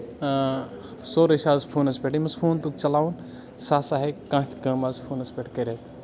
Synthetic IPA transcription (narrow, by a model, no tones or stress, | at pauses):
soːɾɐʃaːzpʰuːnɐspʲeʈimɐspʰuːnt̪ukt͡ʃɐlaːun | saːsaːɦekãːʈɡɐ̃ːmaːzpʰuːnɐspʲeʈkɐɾʲet̪